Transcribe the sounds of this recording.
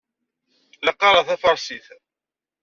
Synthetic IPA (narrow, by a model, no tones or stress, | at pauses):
ləqːɑɾˤɑθæfɑɾˤsiθ